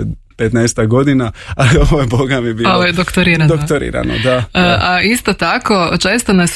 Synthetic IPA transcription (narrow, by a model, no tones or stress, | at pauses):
pet̪nɛjst̪aɡo̞d̪inaalio̞ʋojeboɡamibioʋojed̪okt̪oɾiɾand̪ok̚t̪oɾḭːɾa̰no̰d̪aʔaist̪ot̪akot͡ʃeːst̪ones